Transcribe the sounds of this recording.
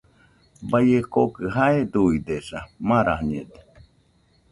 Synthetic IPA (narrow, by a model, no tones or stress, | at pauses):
bajekokɨɦaed̪uid̪esamãɾa̰hɲed̪e̥